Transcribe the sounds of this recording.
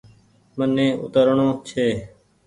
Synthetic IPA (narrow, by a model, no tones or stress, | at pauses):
mənːẽːʔʊ̰t̪əɾɳoːt͡ʃʰeː